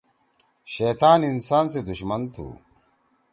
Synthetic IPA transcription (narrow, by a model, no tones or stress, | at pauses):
ɕeːt̪aːninsaːnsed̪uɕmɐnt̪ʰṵː